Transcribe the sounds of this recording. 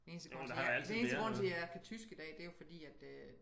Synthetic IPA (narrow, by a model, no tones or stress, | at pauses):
ene̝ːnsəɡɔ̽ed̥ene̝ːnsd̥əɡ̥ʁɔ̽n̰t͡sʰejæækʰæt͡sʰysɡ̥id̥ɛ̰ːd̥e̝jo̝fɒ̽d̥ḭːæd̥ø